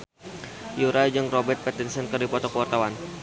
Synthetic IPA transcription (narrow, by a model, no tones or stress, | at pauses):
juɾajd͡ʒɨŋrɔbɛrt̪̚pɛt̪insənkɨrdipɔt̪ɔkəwart̪awan